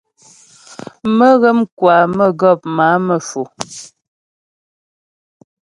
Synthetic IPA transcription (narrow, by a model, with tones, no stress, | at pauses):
mə˦ɣɛ˦mkwaː˨mə˦˨ɡɔ˦˨p̚ma˨˦mə˦˨fu˨